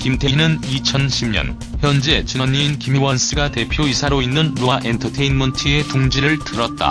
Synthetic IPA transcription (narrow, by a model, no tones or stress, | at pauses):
kimtʰenɯnit͡ɕʰʌnɕʰimɲʌ̰n | çjʌnd͡ʑe̞t͡ɕɯɲːiinkimiwʌns͈ɯɡate̞pʰjoisʰaɾoinːɯnɾoaʔe̞ntʰʌtʰe̞inmʌntʰie̞tuŋd͡ʑiɾɯɭtɯɾʌt̚t͈a̰